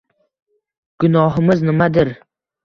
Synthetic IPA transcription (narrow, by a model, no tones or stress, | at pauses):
ɡ̥ʊnɒɦɪmɪznɪmad̪ɪɾ